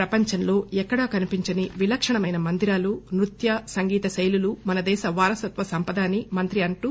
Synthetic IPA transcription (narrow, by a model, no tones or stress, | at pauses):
pɾɐpɐɲt͡ʃɐnlo̞ːɛkːɐɽɐkɐnipiɲt͡ʃɐniʋilɐkʂɐɳɐmɐjnɐmɐnd̪iɾaːlunɾut̪jɐsɐŋɡiːt̪ɐsɐjlulumɐnɐd̪ɛːʃɐʋaːɾɐsɐt̪ʋɐsɐmpɐd̪aːnimɐnt̪ɾiɐɳʈu